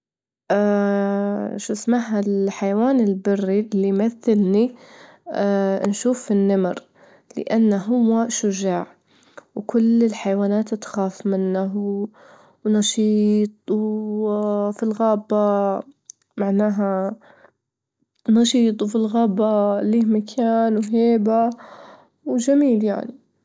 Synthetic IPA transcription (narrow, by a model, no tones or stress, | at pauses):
ʔa | ʃusmaħalħajawaːnɪlbɪrːiʔlːimaθːɪlni | nʃuːfːinːamɾ | lɪ̰ʔanːaɦʊwːaʃʊʒaːʕ | wkʊlːɪlħajwaːnaːt̪t̪xaːfmɪnːaɦ | wnɑʃiːt̪ˤw | filɣaːba | maʕnaːɦa | nɑʃiːt̪ˤwfilɣaːbaliːmakʰaːnwɦeːba | wd͡ʒamiːlja̰ʕni